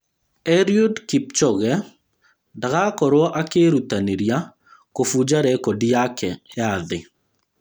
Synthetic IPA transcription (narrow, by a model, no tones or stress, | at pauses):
ɛɾjodkip̚t͡ʃɔɣɛ | daɣakɔɾwɔʔakeɾutaneɾja | kofud͡ʒaɾɛkɔdiakʰɛjaðɪ